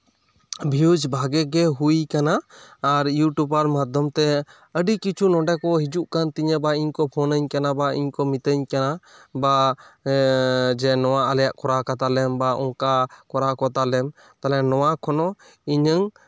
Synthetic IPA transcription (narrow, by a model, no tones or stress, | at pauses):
bʱiud͡ʒbʱaɡɛɡɛɦuikanaːɾjuʈubaɾmad̪ʱjɔmt̪ɛ | əɖikit͡ʃʰunɔɳɖɛkɔɦid͡ʒuʔkant̪iɲəbaiɲkɔpʰɔnəɲkanabaḭɲkɔmit̪əɲkanaba | d͡ʒɛnɔwaaljaʔkɔɾakat̪alɛmbaʔɔŋkakɔɾakɔt̪alɛm | t̪alɛnɔwakʰɔnɔ | iɲəŋ